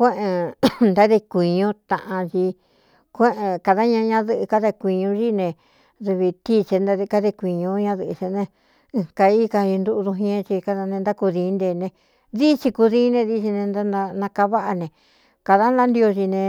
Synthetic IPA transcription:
kʷẽ˦ʔẽ˧˨nd̪a˦ðe˧kʷi˨ɲũ˦t̪ã̰˧ʔã˧t͡ʃi˧ | kʷẽ˦ʔẽ˧ka˧ða˦ɲã˧ɲã˧˦ðɨ˧ʔɨ˧ka˦ðe˧kʷi˧ɲũ˧ʒi˦nẽ˧ | ðu˧βi˧t̪i˦˧t͡ʃe˧nd̪a˧ði˧ka˧˦ðe˧kʷi˨ɲõ˧ɲã˧ðɨ˧ʔt͡ʃe˧nẽ˧ | ka˧i˦ka˧i˧nd̪u˧ʔðu˧ɦĩ˦ẽ˦˧t͡ʃi˧ka˧ða˧nẽ˧nd̪a˦ku˧ðĩ˧˦nd̪e˧nẽ˧ | ði˦t͡ʃi˧ku˧ðĩ˦nẽ˧ði˧t͡ʃi˧nẽ˧nd̪a˦na˧nã˧ka˧βa˦ʔa˧nẽ˧ | ka˧ða˦nla˦nd̪i˧o˧t͡ʃi˧nẽ˧

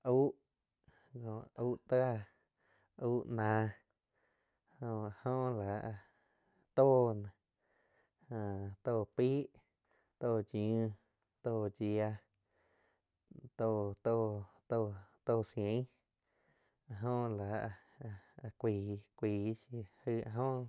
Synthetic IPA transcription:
ʔu˦ʔ | kõ˧˨uː˦ʔt̪a˦a˦˧ | uː˦ʔnã˧ | hõ˧˨hõ˦˧la˨˧ | t̪oː˦˨nã˨ | hã˧˨˧t̪oː˧˨piː˦ʔ | t̪oː˦˧˨d͡ʒũ˦ | t̪oː˧˨d͡ʒi˧a˧ | t̪o˧˨t̪o˦˧t̪o˧t̪oː˦˧˨sjẽ˨˦ | a˧˨ɦõ˦˧la˨˧ | a˧kʷiː˨kʷiː˧˨ʃi˧hɨ˧˨a̰˧ɦõ˦

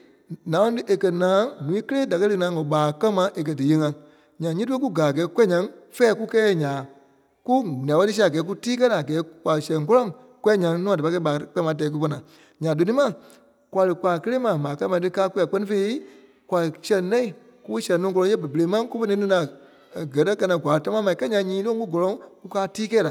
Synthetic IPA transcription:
nã˨˦ɔ̃˧˦tɨ˦ʔe˨kɜ˧nãː˨˦nũ˨ĩ˦kə˦leː˦da˨kɜ˦lɨ˧˦ŋã˨˦ŋɔ˨ɓaː˨˦kɜ˦mã˧˦ʔe˨k̬ɜ˧dɨ˨je˧˦ŋã˨ | ɲã˨ɲĩ˦t̬u˦e˦ku˦ɡaː˨ɡɛː˨˦kwɛ˦ɲã˧˦ŋfɛː˦ku˦kɛː˦˧˨ɲãː˨˦ | ku˦ñ˨ã˨ɓɛ˦ɨ˦s̬i˧˦˨ɡɛː˨˦k̬u˦tiː˦k̬ɜ˦la˨ɡɛː˨˦kwʷa˨lɨ˨sɛ̃˨ŋ˨k̬ɔ˦lɔ̃˦˨ŋ | kwɛ˦˨ɲã˨˧˦ŋnũ˦˨da˨pa˧˦kɛ˧˦ɓaː˨k͡pɛ˦mã˨˦tɛː˨˦k̬u˦pɔ˧nãː˨ | ɲã˨do˨nĩ˦mã˨ | kwʷa˨˧lɨ˨kwa˨kə˦le˦mã˨mãː˨ka˧˦mã˧˨˧tɨ˧˦kaː˦kʷwɛ˧˨˦k͡pɛ˧˦nĩ˧˦fe˧˦i˦ | kwʷa˨lɨ˨sɛ̃˧nɛ̃˦ĩ˨ | ku˦ɓɨ˦sɛ̃˧˨nɔ̃˧˦kɔ˧lɔ̃˧˦e˦bə˨bə˧˨e˨˦mã˦ku˦fə˧nĩ˦nɨ̃˧˦nã˨ | ɡɜ˨˦tɜ˦kɜ˧nã˧˦˨ɡʷwa˨˦˨ta˧mã˦mã˧˨ĩ˨kɛ˦ɲã˧˦ɲĩː˨˦lõ˦ŋ˦ku˦ɡɔ˨lɔ̃˧ŋku˦kaː˦tiː˦kɛː˦la˨

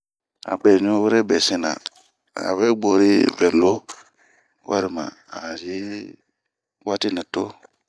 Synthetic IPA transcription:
a̰˨bɛ˨ɲ˦õ˦we˦ɾɛ˦bɛ˨sẽ˦nã̰˨ | a̰˨βe˦ɡ͡bo˨ɾi˦vɛ˨lo˦ | wʔa̰˦ɾi˨mã̰˨ | a˨je˦ | wa˦ti˦nĩ˨to˦

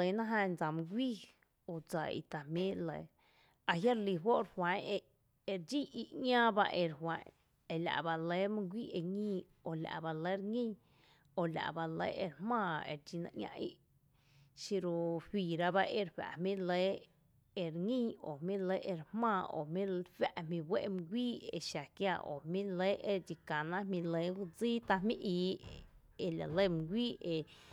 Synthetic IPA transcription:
ə˨˦nã˦ɦã˧nd͡za˨mũ˧ɡʷiː˦ | o˨d͡za˨ḭ˨t̪a˨hmĩ˦lə˨˦ | a˧ɦja˦ɾli˧wo˦ʔɾhwã˨˦e˧ʔ | e˧ɾd͡ʒi˦ʔi˧ʔɲãː˦ba̰˧ʔe˧ɾhwã˨˦ | e˨la̰˨ʔba˧le˦mũ˦ɡʷiː˦ʔe˧ŋĩː˦ | o˨la̰˨ʔba˧lə˨˦ɾŋĩ˦ | o˨la̰˨ʔba˧lə̰˦ʔe˧ɾhmãː˦˧˨ḛ˨ɾd͡ʒi˧nã̰˧ʔɲʲã̰˧ʔḭ˦ʔ | ʃi˧ɾo˧hiː˨ɾa˧ba˦ʔe˧ɾɸa̰˨mĩ˦le˨˦ | e˧ɾŋĩ˦˨o˨mĩ˦le˦ʔe˧ɾhmãː˦˧˨o̰˨mĩ˦ɸa˦˧ʔmĩ˧we˦ʔm˧ɡʷiː˦e˧ʃa˨kja˧˨ʔo̰˨mĩ˦le˦ʔe˧d͡ʒi˧kã˨nã˦mĩ˧le˨˦u˧d͡ziː˦t̪a˧mĩ˦ʔiː˧˦ | e˧la̰˨le˦˨m˧ɡʷiː˦e˧

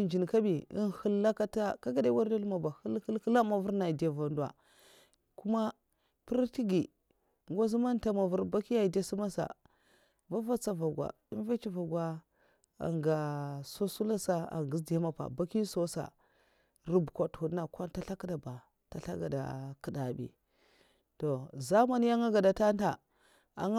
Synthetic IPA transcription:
i˨nd͡ʒi˨n˨ka˦bi˨ḭ˦nhə˦lːa˦ka˦ta˦ka˦ɡa˦da˦i˦wa˦ɾda˦lma˨ba˨hə˦lkə˦lkə˦la˦ma˨vu˦ɾna˨i˨di˨a˨va˨ndu˨wa̰˨ | ku˦ma˦ | pi˦ɾti˦ɡi˨ | ŋɡo˦zi˦ma˦nta˦ma˨vu˦ɾba˦ki˦ja˦i˨da˦su˦ma˦sa̰˨ | va˦va˦t͡sa˨va˨ɡwa̰˨ | i˦n˦ve˦t͡ʃi˦va˨ɡʷwa˦ | a̰˨ŋɡa˨so˦su˦la˦sa˦a̰˨ŋɡi˦sda˦ma˦pa̰˨ba˦ki˦so˦sa̰˨ | ɾu˦bkʷa˨thu˨nːa˨kʷa˦nta˦ɬa˦ki˦da˨ba˨ | ta˨ɬa̰˦ɡa̰˨da̰˨kə˨da˨bḭ˨ | to˨za˦ma˦n˦ja˦ŋa˦ɡa˨da˨ta˦n˦ta˨ | a̰˨ŋ˦

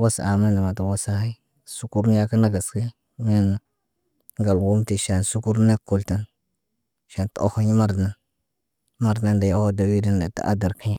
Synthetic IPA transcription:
wa˦sa˨ma˦nda˨ma˨ta˨wa˦sa˦ha˦i˦ | su˦ku˦ɾn˦ja˦ka˦na˦ɡa˨ska˦ | mi˦˨n˨ | ŋɡa˨lwu˦mti˨ʃa˨nsu˦ku˦ɾne˦kːo˨lta˦n | ʃa˨nto˦ho˦ɲi˦ma˦ɾa˦n | ma˦ɾdna˦nda˨ja˨wo˦da˨wi˦di˦nda˨ta̰˨ʔa̰˦da˨ɾka˦ɲa˦

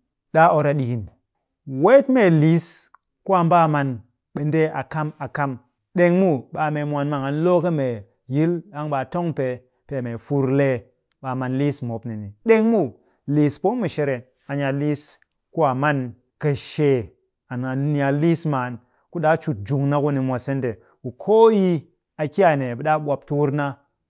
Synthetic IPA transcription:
ɗa˦ʔo˨ɾa˨ɗi˨ki˨n | we˦tme˦li˨˦s | ku˦a˨mba˦ma˨n | ɓe˨nde˦ʔa˨ka˦ma˨ka˦m | ɗe˨ŋmu˦ɓa˨me˨mʷ˨a˨nma˨ŋa˨nlo˦kə˦me˨ | ji˦la˦ŋɓa˨to˦ŋpe˨ | pe˨me˨fu˨ɾle˨ | ɓa˨ma˨nli˦smo˨˦pni˨ni˨ɗe˦ŋmu˦ | li˨spo˦mu˨ʃe˦ɾe˨ | a˨ɲa˨li˦s | ku˦a˨ma˦n | ka˨ʃe˨ | a˨na˨˦a˨li˦sma˨n | ku˦ɗa˦t͡ʃu˨t̚d͡ʒu˨ŋna˦ku˦ni˨mʷa˨se˦nte˨ | ku˨kʰo˦ji˦ | a˨ki˦a˨ne˨ɓɗa˦ɓʷa˨p̚tu˦wu˦ɾna˦

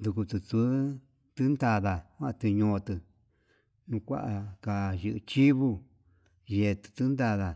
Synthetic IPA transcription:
nd̪u˧ku˧t̪u˧t͡su˧˦ | t̪ɨ˦nd̪a˧ða˨kʷa˦ʔt̪ɨ˧ɲõ˧t̪ɨ˧ | nũ˧kʷa̰˦ʔa˧ka˧˨jɨ˧ʔɨ˧t͡ʃi˦βu˦ | je˧˨˧t̪ɨ̥˧t̪ɨ˦nd̪a˧ða˨

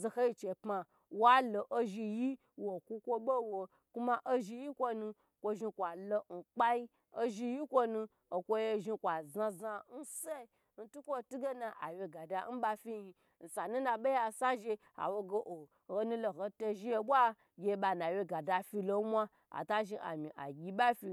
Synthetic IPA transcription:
zo˨ho˦ji˧t͡ʃe˨pma˧ | wa˦lo˨ʔo˦ʒi˧ji˦ | wo˨kʷu˦kʷo˦ɓo˦wo˧ | ku˦ma˦ʔo˦ʒi˧ji˦kʷo˦nũ˧ | kʷo˧ʒi˧kʷa˨lo˧n̩˨k͡pa˦i˦ | o˦ʒi˧ji˦kʷo˧nũ˧ | o˨kʷo˦je˧ʒi˧kʷa˨za˧za˧n̩˦se˦˨ | n̩˦tu˦kʷo˦˨tu˦ɡe˦na˨ʔa̰˨wje˧ɡa˨da˧˦n̩˦ba˧fi˦i˧ | n̩˨sa˨nũ˦na˧ɓe˦ja˧˨sa˦ʒe˧ | a̰˨wo˧ɡo˦ʔo˨ | ho˧nũ˧lo˨ho˧to˧ʒi˦je˧ɓʷa˦ | ɡʲe˨˧˦ɓa˨na˨we˧ɡa˨da˧fi˧lo˧˦mʷa˦ | a̰˨ta˦ʒi˧ʔa̰˨mi˨ʔa̰˨ɡʲi˧ɓa˦fi˧

